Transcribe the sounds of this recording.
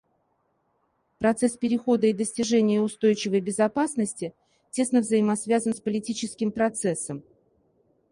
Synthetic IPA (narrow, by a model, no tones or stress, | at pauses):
pɾɐt̪sɛspʲɪɾʲɪxo̞d̪əid̪əsʲtʲɪʐɛnʲɪjəʊst̪o̞jt͡ɕɪvəjbʲɪzɐpasnəsʲtʲɪ | tʲe̞snəvzəjɪmɐsvʲazənspəlʲɪtʲit͡ɕɪskʲɪmpɾɐt̪sɛsəm